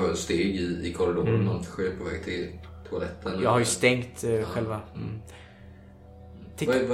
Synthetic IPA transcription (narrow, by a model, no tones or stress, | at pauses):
œst̪eːɡɪɪkʰɔɾd̪ɔat̪ɧeːpʰɔvɛːɡ̚t̪ʰɪlt̪ʰʊalɛt̪ʰːənjɑːɡɦhaɾjəst̪ɛŋt̪ɧɛlva | t̪ʰɪ